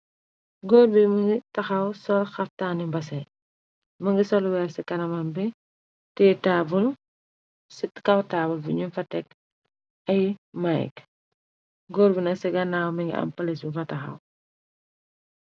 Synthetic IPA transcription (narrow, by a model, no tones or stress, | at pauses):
ɡɔːɾbimɐŋɡitɐxɐwsɔlxɐftaːnimbɐs̬ɐj | mɐŋɡisɔlwɛːrsɛkɐnɐmɐmbɛ | tɛtaːbul | sitkɐwtaːbulbiɲumfɐtɛk̚ | ɐjmajk | ɡɔːɾbinɐksɛɡɐnaːwmɐŋɡḭʔɐ̰mpɐlisbifɐtɐxɐ̰w